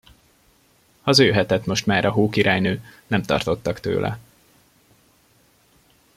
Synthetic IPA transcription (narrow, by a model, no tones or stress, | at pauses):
ɒzøːɦɛt̪ɛt̪mo̞ʃt̪maːɾʔɒɦuːkiɾaːjnøːnɛmt̪ɒ̰rt̪o̞t̪ːɒkt̪ø̰ːlʔɛ̰